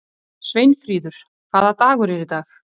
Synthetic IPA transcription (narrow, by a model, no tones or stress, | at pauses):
svejnfɾiːðʏɾ̥ | kʰvaːðat̪aːɣʏɾɛɾɪt̪aːx